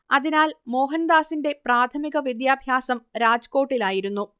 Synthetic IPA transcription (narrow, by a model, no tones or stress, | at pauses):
ɐðinaːlmo̞ːɦɐnd̪aːsinde̞praːt̪ʰɐmiɣɐʋid̪jaːbʱjaːsɐmɾaːd͡ʑɐko̞ːʈːilaːjiɾunːu